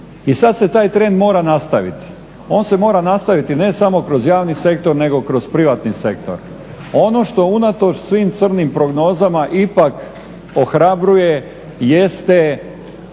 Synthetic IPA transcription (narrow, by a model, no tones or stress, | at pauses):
isad̪set̪aːjt̪ɾe̞nd̪mo̞ːɾanast̪aʋḭt̪i̥ | o̞ːnse̞mo̞ːɾanast̪aʋit̪ine̞samo̞kɾo̞zjaːʋnise̞k̚t̪o̞ɾne̞ɡo̞kɾo̞zpɾiʋat̪nise̞k̚t̪o̞̰ɾ | o̞no̞ʃt̪o̞unat̪o̞t͡ʃsʋiːmt̪sr̩nimpɾo̞ɡno̞ːzamaʔipak | o̞xɾabɾuje̞ | jest̪e